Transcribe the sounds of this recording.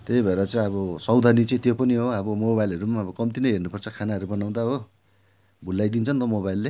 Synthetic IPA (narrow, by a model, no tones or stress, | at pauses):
t̪ebʱʌeɾʌt͡saĩʌβʌsʌwd̪ʱanit͡sẽt̪jopʌniɦoʌbʌmobajlɦʌɾumaʌbʌkʌmt̪inʌɦernupʌrt͡sʰʌkʰanaɦʌɾubʌnaw̃d̪aɦo | bʱulːajd̪int͡sʰʌnt̪ʌmoβajlːe